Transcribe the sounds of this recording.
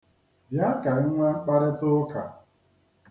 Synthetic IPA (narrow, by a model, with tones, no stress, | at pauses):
bja˦ka˨ɪ˦ŋʷa˦k͡pa˦ɾɪ˦tʊ˦ka̰˨